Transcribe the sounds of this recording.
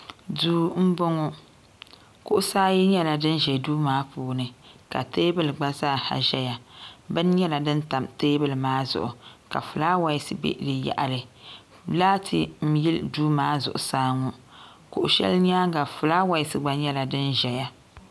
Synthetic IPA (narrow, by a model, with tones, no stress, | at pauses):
duː˨˦m̩˦bɔ˦ŋɔ˦ | kʊ˦ʔʊ˦saː˦jɛ˦ɲɛ˦la˨dɨ˦nʒɛ˨duː˦maː˦puː˨˦nɨ˨ka̰˨teː˦bɨ˦lɨ˨ɡ͡ba˦zaː˦˨ha̰˨ʒɛ˦ja˨bɨ˦n˦ɲɛ˦la˨dɨ˦nta˨mteː˦bɨ˦lɨ˨maː˦zʊ̰˨ʔʊ˨ka̰˨fɨ˨laː˦wa˨jɪ˦sɨ˦bḛ˦dɨ˨ja̰˨ʔa˨lɨ˨ | laː˦tʰɨ˨m̩˦ji˦lduː˦maː˦zʊ̰˨ʔʊ̰˨saː˦ŋɔ˨ | kʊ˨ʔʊ˨ʃɛ̰˦lɲa˦ɡa˨fʊ˨laː˦wa˨jɪ˨sɨ˨ɡ͡ba˨ɲɛ˦la˨dɨ˦nʒɛ˨ja˦